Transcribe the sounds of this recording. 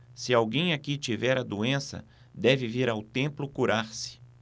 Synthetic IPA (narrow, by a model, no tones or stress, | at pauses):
sɪawɡẽj̃akit͡ʃivɛɾɐd̪uẽsɐ̰ | d̪ɛvɪviɾawt̪ẽmplʊkuɾaɾsɪ̥